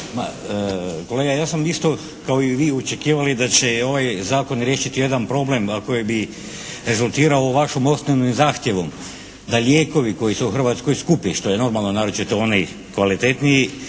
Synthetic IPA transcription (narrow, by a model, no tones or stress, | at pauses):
ma̰ | ko̞leːɡajaːsamist̪o̞ | kaoiʋiːut͡ʃekiːʋalid̪at͡ɕeo̞ʋajzaːko̞nɾʲjeːʃit̪ije̞d̪anpɾo̞ble̞mako̞jebi | ɾe̞zulˠt̪iːɾaoʋaʃomo̞st̪neʋnimzaːxt̪jeʋom | d̪aʎʲjeːko̞ʋiko̞jisuuxr̩ʋaːt̪skojskupiʃt̪o̞jeno̞ɾmalˠno̞naːɾut͡ʃit̪eo̞ni | kʋalit̪et̪niji